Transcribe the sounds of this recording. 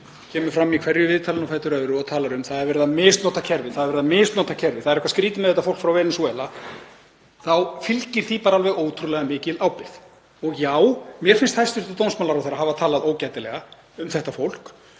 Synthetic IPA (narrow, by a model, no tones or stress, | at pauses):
cʰɛːmʏ̥fɾamːikʰvɛɾjʏvɪːðt̪ʰaːlɪnɔwfajt̪ʏɾœðɾʏɔt̪ʰaːlaɾʏmθaðɛɾvɛɾɪðamɪːst̪nɔht̪acʰɛɾvɪðθaðɛɾvɛɾɪðamɪːst̪nɔht̪ːacʰɛɾvɪθaðɾɛhkvaskɾiːt̪ɪmɛðɛt̪afowl̥kfɾawvɛːnɪnsɛla | θawfɪlcɪɾ̥θipaːɾaalvɛɣoːwt̪ʰɾulɛɣamɪːcɪlawpɪθ | ɔɣjaːwmjɛ̥fɪnst̪hast̪ʏɾ̥t̪at̪ownsmaːlaɾawθejɾːaɦaːvat̪ʰaːlaðoːwcajt̪ɪlɛɣa | ʏmθɛht̪afowl̥k